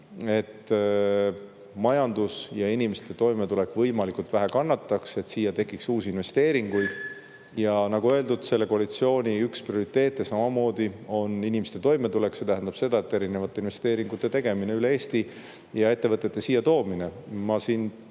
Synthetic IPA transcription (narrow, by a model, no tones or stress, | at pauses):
e̞t̪ː | mɑjɑnd̪̥usjɑinimest̪e̞t̪o̞jmet̪ule̞kːˑvɤjmɑlikult̪væɦækɑnːɑt̪ːɑkse̞t̪siːjːɑt̪e̞kːˑiksuːsiinve̞st̪e̞ːɾiŋɡ̥ujd̪̥ | jɑnɑɡ̥uø̞ld̪ud̪̥se̞lːe̞koɑlit̪sio̞ːnʲiyksprio̞ɾit̪ːe̞ːt̪ːˑesɑmɑmo̞ːd̪̥io̞ninimest̪e̞t̪o̞jme̞t̪ule̞kse̞t̪æɦænd̪ɑb̥se̞d̪ɑe̞t̪ːe̞ɾine̞vɑt̪ːˑe̞inve̞st̪e̞ːɾiŋɡ̥ut̪ːˑe̞t̪e̞ɡ̥e̞mine̞ylee̞ːst̪i | jɑe̞t̪ːe̞vɤt̪ːˑet̪ːe̞siːjːɑt̪o̞ːmine̞mɑsiːn